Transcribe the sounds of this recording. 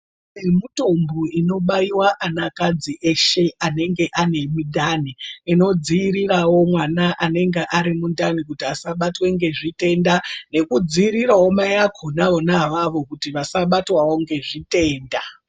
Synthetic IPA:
emuto̞mbuino̞ɓaiwaʔanakad͡ziʔe̞ʃe̞ane̞ŋɡe̞ʔane̞mudʱaniino̞d͡ziːrirawo̞mwanaʔane̞ŋɡeʔaɾimundanikutiasaɓatweŋɡe̞ʐite̞ndane̞kud͡ziːɾirawo̞majakʰonaʋonaʋaʋo̞kutiʋasaɓatwawo̞ŋɡe̞ʐite̞ːnda

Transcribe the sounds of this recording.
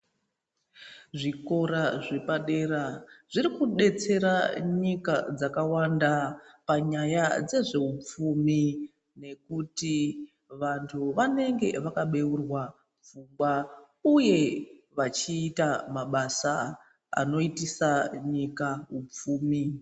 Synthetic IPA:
ʐiko̞ɾaʐe̞paɗe̞ɾaʐ̥irikuɗe̞t͡se̞ɾaɲika̰d͡zakawandapaɲajad͡ze̞ʐe̞up͡fumi | ne̞kuti | ʋantʰuʋane̞ŋɡe̞̰ʋakaɓe̞urwa | p͡fumɡwa | uje̞ʋat͡ʃiːtamaɓasa | a̰no̞itisaɲikaɦup͡fuːmi

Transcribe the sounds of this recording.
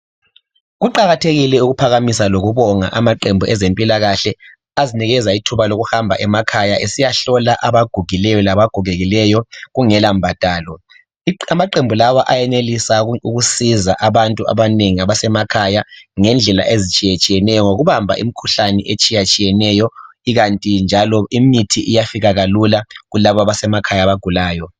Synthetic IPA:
ɣuǃaɣatʰeɣilɛuɣupʰaɣamisaloɣuβɔŋa̰ʔamaǃembʱuʔɛzempʼilaɣaɬɛ | aziniɣɛzaitʰuβaloɣuhambʱa̰ʔɛmakʰajaʔesijaɬɔlaʔaβaɡ̥ʱuɣilɛjɔlaβaɡ̥ʱuɣeɣilɛjɔɣuŋɛlam̩bʱatʼaːlɔ | amaǃembʱulawaʔajɛnelisauɣusizaʔaβantʼua̰βaneŋiaβasɛmakʰajaŋɛnd͡ɮʱɛla̰ʔezit͡ʃʼijet͡ʃʼijɛnɛjɔŋoɣuβambʱa̰ʔḭmikʰuɬanɛʔet͡ʃʼijat͡ʃʼijɛnɛjɔ | iɣantʼind͡ʒʱalɔimitʰiʔijafiɣaɣalulaɣulaβaaβasɛmakʰajaβaɡ̥ʱulaːjɔ

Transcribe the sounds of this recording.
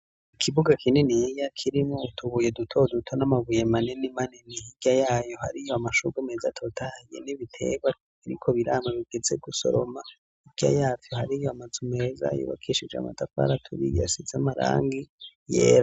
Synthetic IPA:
ikʰiβuɡakʰinenijakʰiɾimŋoutʰuβuje̞dutʰo̞dutʰonamaβujemanenimanenihiɡ̥jajaːjo̞ha̰ɾijoamaʃuɡumezatʰo̞tʰajḛniβitʰe̞̰ɡwa | iɾikʰo̞βiɾamaβiɡ̥eze̞ɡuso̞̰ɾoma | iɡ̥ja̰jaːvjohaɾijoamazume̞ːza̰jo̰βa̰kʰiʃid͡ʒea̰ma̰dafa̰ɾatʰoβḭɡa̰sizamaɾa̰ːŋɡijḛːɾa

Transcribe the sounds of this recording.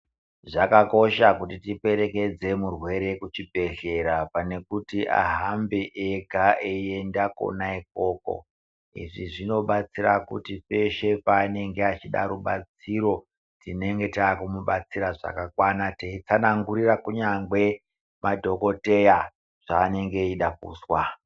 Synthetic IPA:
ʐakako̞ʃakutitipe̞ɾe̞ke̞d͡ze̞murwe̞ɾe̞kut͡ʃibʱe̞ɮe̞ɾapane̞kutiʔa̰ɦambeʔeɡʱaeie̞ndako̞̰naik̚o̞ːko̞̰ | ḭʐiʐino̞ɓat͡siɾakutipe̞ʃe̞paːne̞ŋɡeat͡ʃiɗa̰ɾuɓat͡siɾo̞ | tine̞ŋɡe̞taːkumuɓat͡siɾaʐa̰kakwanateit͡sanaŋɡuɾirakuɲaŋɡwe̞ | madʱo̞ko̞te̞ja | ʐ̥aːne̞ŋɡe̞iɗak̚ṵːswa

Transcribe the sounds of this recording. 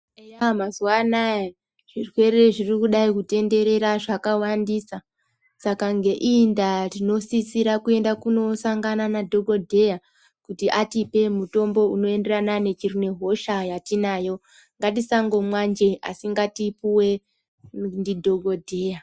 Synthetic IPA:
ejamazuwanaje | ʐ̥irwe̞ɾe̞ʐirikuɗaikute̞nde̞ɾe̞ɾaʐakawandisa | sakaŋɡe̞ʔindarino̞sisiɾakue̞ndakuno̞saŋɡananadʱo̞ɡo̞dʱe̞ja | kutiʔatipe̞muto̞mbo̞uno̞e̞nde̞ranane̞t͡ʃirune̞ɦo̞ʃajatinaːjo | ŋɡatisaŋɡo̞mwand͡ʒe̞a̰siŋɡatipuwe̞ | ndidʱo̞ɡʱo̞dʱeja

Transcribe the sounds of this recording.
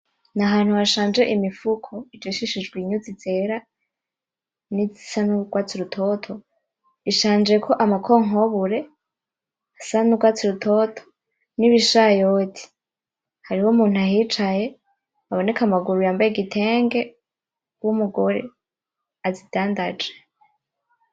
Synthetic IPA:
naɦaːn̥huhaʃaːnd͡ʒe̞ʔimifukʰoid͡ʒoʃiʃid͡ʒɡwiɲuzit͡se̞ɾa | nizisanuɡ̥waːt͡siɾutʰotʰo̞ | iʃaːnd͡ʒe̞kʰo̞ʔamakʰoŋɦoβuɾe̞ | asanuɡwaːt͡siɾutʰo̞tʰo̥ | niβiʃajotʰi̥ | haɾihomuːn̥uaɦit͡ʃaje̞ | aβo̞ne̞kamaɡuɾujaːmbajeɡitʰeːŋɡe̞ | wumuɡo̞ɾe̞̰ | azid̥aːndad͡ʒe

